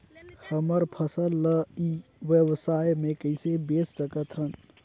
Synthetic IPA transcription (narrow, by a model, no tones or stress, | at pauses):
həməɾpʰəsəlːəiʋjebsajmekəɪsebessəkət̪ɦən